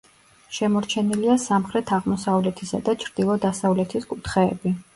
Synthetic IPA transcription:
ʃɛmɔɾt͡ʃʰɛniliasamχɾɛt̪ʰaʁmɔsavlɛt̪ʰisa̰d̪at͡ʃʰɾd̪̥ilˠɔd̪asavlɛt̪ʰiskʼut̪ʰχɛːbi

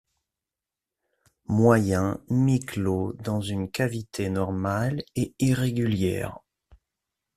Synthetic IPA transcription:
mwajɛ̃miklod̪ɑ̃zynkavit̪ʰenɔʁmaleiʁeɡʲyljɛ̰ːʁ

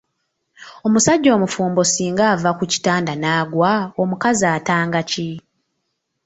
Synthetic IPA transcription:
o̞musaɟːo̞ːmufuːmbo̞siːŋɡaːvakuci̥taːndanaːɡwaomukazaːtaːŋɡaci

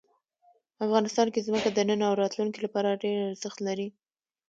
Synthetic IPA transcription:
afɣɑnɪst̪ɑnkezməkad̪ənənawɾɑt̪luŋkilapɑɾaɖeɾaz̥əxt̪laɾi

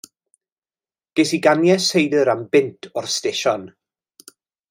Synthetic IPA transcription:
ɡ̥esiɡanjɛsejdəɾambɪntʰɔrstɪʃɔn

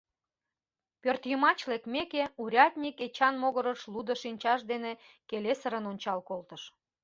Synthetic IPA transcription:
pørt̪jəmɑt͡ɕlekmekeuɾʲɑt̪ʲnʲiket͡ɕɑnmoɣəɾəʃlud̪əʃinʲt͡ɕɑʃd̪ene | kelesəɾənonʲt͡ɕɑlkolt̪əʃ

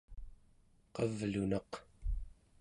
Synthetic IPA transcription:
qʌvlunɑq

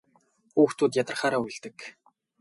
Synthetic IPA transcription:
uːxt̪ʰuːt̪̬jat̪ə̆χaːɾaːujɮt̪ɘ̆k

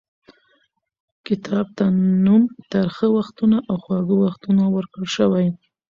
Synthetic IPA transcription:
kɪt̪ʰɑb̚t̪anumt̪əɾxəwaxt̪unaʔawxwɑɡəwaxt̪unawəɾkəɽʃəwaj

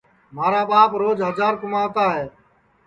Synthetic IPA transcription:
maːɾaːɓaːpɾoːd͡ʒɦəd͡ʒaːɾkʊmãːt̪aːɦeː

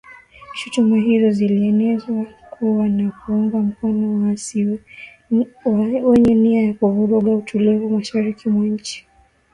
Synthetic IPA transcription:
ʃutumuɦizɔziliɛnɛzwakʰuwanakuuŋɡam̩kɔnɔ | awɛɲɛniajakuvuɾɔɠautulivumaʃaɾikimwaɲ̩t͡ʃi̥

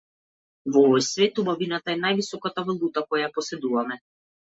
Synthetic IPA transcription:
vɔvɔjsvɛt̪ubavinat̪aɛnajvisɔkat̪avɔlˠut̪akɔjajapɔsɛd̪uvamɛ

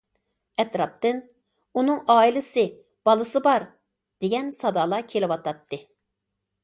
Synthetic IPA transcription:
ɛt̪ɾɑp̚t̪ɨn | unɨŋɑːilˠɪsɨ | b̥ɑlˠɨsɨbɑɾ | d̪̥eɡʲɛnsɑd̪ɑːlˠɑkʲʰelɪwɑt̪ɑt̪ʰːɨ

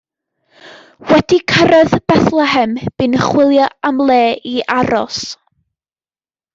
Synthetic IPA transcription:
wɛd̥ikʰəɾɔðb̥ɛθlˠɛɦɛmb̥ɨnəχwɪlˠjɔamlˠeːiʔaɾɔ̰s

